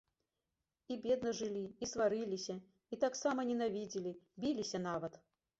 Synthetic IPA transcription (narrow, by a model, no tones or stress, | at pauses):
ibʲɛd̪nɐʐɨlʲiisvaɾilʲisʲɐ | it̪aksamɐnʲɛnavʲid͡zʲilʲibʲilʲisʲɐnavɐt̪